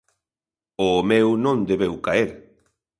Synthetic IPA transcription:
omewnõnd̪eβewkaeɾ

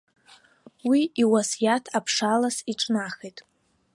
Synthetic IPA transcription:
wiiwasjatʰapʰʂalasiʈ͡ʂʼnaχejtʼ

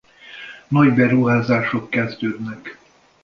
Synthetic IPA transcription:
nɒɟbɛɾuɦaːzaːʃo̞kːɛzd̪øːd̪nɛk

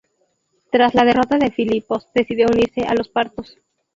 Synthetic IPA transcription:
t̪ɾazlað̞e̞ro̞t̪aðe̞filipo̞sðe̞siðjo̞uniɾse̞ʔalo̞spaɾt̪o̞s

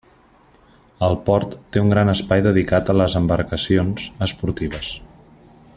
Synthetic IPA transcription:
əlˠpɔɾt̪ːeuŋɡɾanəspajðəðikat̪ələzəmbəɾkəsionz̥əspuɾt̪iβ̞əs

